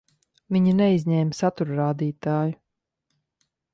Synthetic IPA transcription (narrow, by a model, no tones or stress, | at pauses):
viɲinɛizʲɲɛːmsat̪uɾɾaːd̪iːt̪aːju